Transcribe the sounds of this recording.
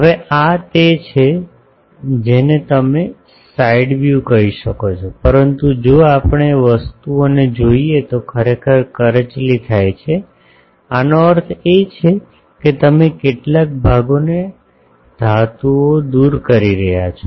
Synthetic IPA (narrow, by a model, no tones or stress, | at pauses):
ɦəʋeat̪et͡ʃʰe | d͡ʒenet̪əme | saiɖʋjukəɦiʃəkot͡ʃʰopəɾənt̪ud͡ʒoapɳ̃eʋəst̪uoned͡ʒoiet̪okʰəɾekʰəɾkəɾət͡ʃlit̪ʰajt͡ʃʰe | anoəɾt̪ʰet͡ʃʰe | ket̪əmekeʈlak̚bʱaɡone | d̪̥ʱat̪uod̪uɾkəɾiɾəɦja̰t͡ʃʰo